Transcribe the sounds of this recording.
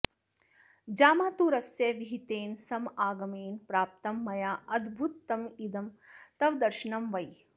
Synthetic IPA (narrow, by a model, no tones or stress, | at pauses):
d͡ʒaːmaːt̪uːɾɐsjɐʋiɦit̪eːnsɐmaːɡɐmeːnpɾaːp̚t̪ɐmːɐjaːʔɐd̪bʱut̪ːɐmid̪ɐmt̪ɐʋd̪ɐɾʃɐɳɐmʋɐj